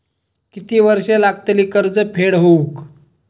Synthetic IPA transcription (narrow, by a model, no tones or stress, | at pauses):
kit̪iːʋəɾʂelaɡt̪eliːkəɾd͡zəpʰeɽɦouk